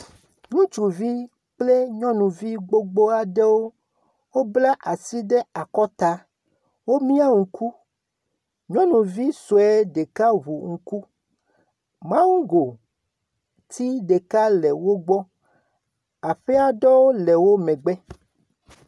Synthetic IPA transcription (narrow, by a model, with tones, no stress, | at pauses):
ŋũ˦t͡ʃu˨vi˦ | k͡ple˦ɲɔ̃˦nũ˨vi˦ɡ͡bo˦ɡ͡bo˦a˨ɖe˦wo˦ | wo˦bla˦ʔa˨si˦ɖe˦a˨kɔ˦t̪a˦ | wo˦mĩ˦a˦ŋu˨ku˦ | ɲɔ̃˦nũ˨vi˦so˨ɛ˦ɖe˨ka˦βu˨ŋ̩˨ku˦ | mã˦wu˦ɡo˨ | t̪ʰi˦ɖe˨ka˦le˨wo˦ɡ͡bɔ˦ | a˨ɸe˦a˦ɖɔ˦wo˦le˨wo˦mɛ̃˨ɡ͡bɛ˦